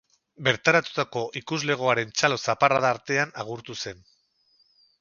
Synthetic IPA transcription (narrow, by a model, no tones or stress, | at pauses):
be̞ɾt̪aɾat̪u̥t̪ako̞ʔikuzle̞ɣ̞o̞aɾe̞nt͡ʃalo̞saparaðaːɾt̪e̞anaɣ̞uɾt̪use̞n